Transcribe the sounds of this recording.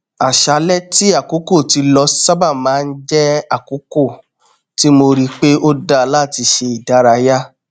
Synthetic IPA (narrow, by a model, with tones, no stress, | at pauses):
a˨ʃa˨˦lɛ˦ti˦a˦˨ku˨˦ko˦˨ti˧lɔ˧sa˦ba˦˨mãː˨˦˧n̩˦d͡ʒɛ˦a˦˨ku˨˦ko˦˨ | ti˦mo˧ɾi˦k͡pe˦o˦da˧la˦˨ti˧ʃe˧i˨da˨˦ɾa˧ja˦